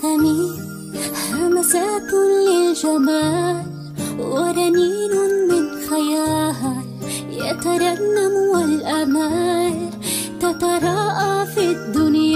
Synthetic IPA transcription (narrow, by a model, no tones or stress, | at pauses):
ami | hamasaːkʊlɪd͡ʒamaːl | waɾˤɑniːnʊmɪnxajaːɦa | jat̪aɾˤɑnːamwalʔamaːl | t̪at̪ɑɾˤɑʔafid̪ːʊnj